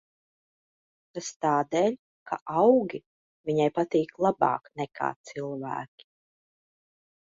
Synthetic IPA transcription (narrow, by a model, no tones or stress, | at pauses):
t̪ast̪aːd̪ɛːlʲ | kʰa̰ʔawɡʲi | viɲajpat̪iːklˠabɑ̰ːknɛkʰa̰ːt̪silˠvæ̰ːkʲi̥